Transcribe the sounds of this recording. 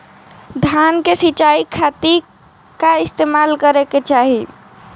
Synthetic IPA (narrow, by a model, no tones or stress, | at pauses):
d̪ʱjankesit͡ʃaikʰat̪iɾ | kaist̪emalkəɾeket͡ʃaɦi